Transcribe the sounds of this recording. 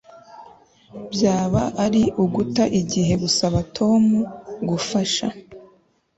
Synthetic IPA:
bjaːβaʔaɾiʔuɡutaʔiɟiɦe̞ɡusaβatʰo̞ːmuɡufaʃa

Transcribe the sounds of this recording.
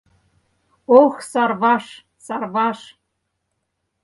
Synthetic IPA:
oxsɑrβɑʃ | sɑrβɑʃ

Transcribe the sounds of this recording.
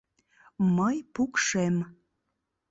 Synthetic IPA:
məjpukʃem

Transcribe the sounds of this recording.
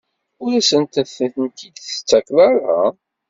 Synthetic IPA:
ʊɾæsənt̪ənθənθənt̪id̪θə̥t͡sːæklaɾa̰

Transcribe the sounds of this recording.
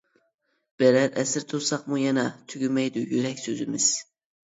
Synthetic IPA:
b̥eɾæɾæsɪɾt̪ʰoɾsɑqmʊjɛnɛt̪ʰyɡʲymɛjd̪ʊjyɾɛkʲsɵzɪmɪz̥

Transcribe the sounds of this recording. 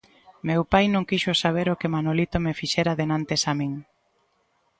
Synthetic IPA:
mewpajnõŋkiʃʊsaβ̞eɾokemanolit̪omefiʃɛɾaðenant̪esamiŋ

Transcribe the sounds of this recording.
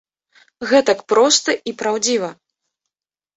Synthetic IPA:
ɣɛt̪ɐkpɾɔst̪ɐʔipɾawd͡zʲivɐ

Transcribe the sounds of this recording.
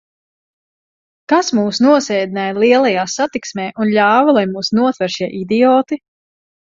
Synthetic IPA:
kasmuːsnuɔsɛːd̪inajlˠiɛlˠajaːsat̪iksmɛːʔunʎʲaːvalˠajmuːsnuɔt̪vɛɾʃiɛʔid̪iɔːt̪i

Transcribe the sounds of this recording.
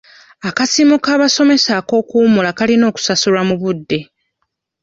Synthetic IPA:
akasiːmukaːβaso̞me̞sako̞ːkuːmulakalino̞ːku̥sasulamuβudːe̞

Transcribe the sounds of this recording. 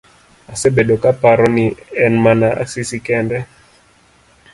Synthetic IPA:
asɛbɛɗɔkapaɾɔniɛnmanaʔa̰sisikɛndɛ

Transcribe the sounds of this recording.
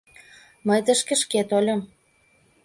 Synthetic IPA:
məjt̪əʃkĕʃket̪olʲɤ̆m

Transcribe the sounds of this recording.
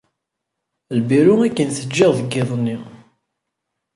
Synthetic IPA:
lbiɾuækːənθəd͡ʒːɪʁðəɡːɪðˤnːi

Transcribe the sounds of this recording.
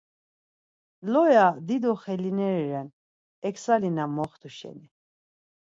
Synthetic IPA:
lɔjad̪id̪ɔχɛlinɛɾɛɾɛn | ɛksalinamɔχt̪ʰuʃɛ̰ni

